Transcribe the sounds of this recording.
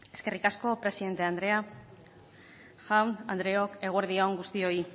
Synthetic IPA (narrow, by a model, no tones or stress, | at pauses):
e̞ske̞rikasko̞pɾe̞siðe̞nt̪e̞and̪ɾe̞a | xamand̪ɾe̞oke̞ɣ̞ueɾðioŋɡust̪io̞i